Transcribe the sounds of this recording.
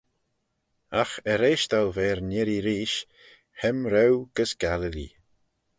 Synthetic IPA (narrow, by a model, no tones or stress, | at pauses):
axəɾeːʃt̪alvɛːɾnɪɾiɾiːʃ | hɛmɾɛwɡ̥əsɡ̥aləlḭ